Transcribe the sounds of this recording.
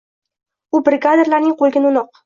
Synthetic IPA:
ubɾɪɡad̪eɾlaɾnɪŋqʰolˠɡʲɪnʊnɒq

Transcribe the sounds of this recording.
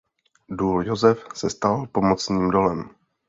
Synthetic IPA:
duːljozɛfsɛst̪alpo̞mot͡sɲiːmdo̞lɛm

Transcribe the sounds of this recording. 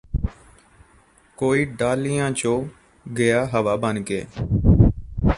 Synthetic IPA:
koːiːɖaːlijãːt͡ʃõː | ɡɪjaːɦəʋaːbənkeː

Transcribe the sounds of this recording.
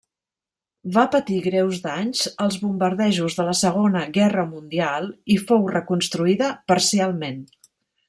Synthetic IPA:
bapət̪iɣɾɛwzd̪aɲzəlˠzβumbəɾðɛʒuzðələsəɣ̞onəɣɛrəmund̪ialˠifowrəkunst̪ɾuiðəpəɾsialˠmen

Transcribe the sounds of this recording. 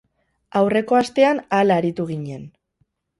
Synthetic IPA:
awre̞ko̞ast̪e̞analaɾit̪uɣiɲe̞n

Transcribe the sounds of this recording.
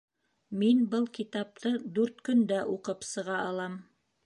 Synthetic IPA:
minbɤlˠkit̪ɑp̚t̪ɤd̪ʉɾt̪kɵ̆nd̪æʔuqɤpsɤ̆ʁɑɑlˠɑm

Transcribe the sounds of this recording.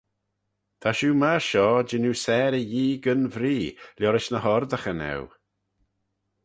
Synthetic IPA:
t̪ʰaʃuːmaʃɔːd͡ʒɪnusɛːɾəjiːɡənvɾiːljɔɾɪʃnəhɔɾd̪əxənɛ̰w

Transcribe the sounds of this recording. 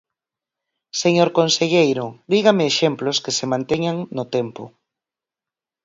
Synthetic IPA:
seɲoɾkonseʎejɾʊd̪iɣameːʃemploskesemãnt̪eɲaŋnʊt̪ɛmpʊ̰

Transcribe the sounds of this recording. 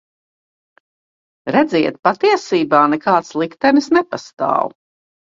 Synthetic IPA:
ɾɛd̪ziɛt̪̚pat̪iɛsiːbaːnɛkaːt̪slˠikt̪ɛnisnɛpast̪a̰ːw

